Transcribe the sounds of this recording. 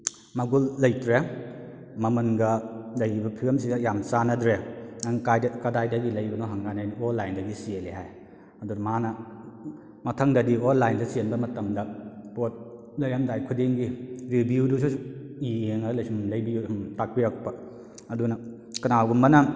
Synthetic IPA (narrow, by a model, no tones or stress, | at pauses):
mɐɡulːɐjtɾe | mɐmɐnɡɐlɐjibɐpʰilɐms̬iɡɐjamsanɐdɾeaŋkajdɐkɐdajdɐɡilɐjbɐnoɦaŋɡanajnonlajndɐɡisieliɦaj | ɐduɾmanɐ | mɐtʰɐŋdɐdionlajndɐsienbɐmɐtɐmdɐpot̚ | lɐjamdajkʰudiŋɡiɾibiudus̬usieŋalɐjsumlɐjbiuumtak̚bijak̚pːɐ | ɐdunɐ | kɐnawɡumbɐnɐ